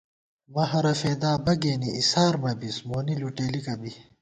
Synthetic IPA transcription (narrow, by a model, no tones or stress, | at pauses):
mɐɦɐɾɐfeːd̪aːbɐɡeːniisaːɾmɐbismoːniluʈeːlikɐbi